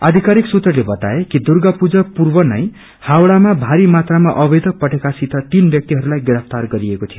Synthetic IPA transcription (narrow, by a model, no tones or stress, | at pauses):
ad̪ʱikaɾiksut̪rʌrlebʌt̪a̰ekid̪urɡʌpud͡zʌpurbʌnʌj | hawɽamabʱaɾimat̪ramaʔʌbed̪ʱʌk̚pʌʈekasit̪ʰʌt̪inbjʌk̚t̪iɦʌɾulajɡɾʌp̚ʰt̪arɡʌɾiekot̪ʰijo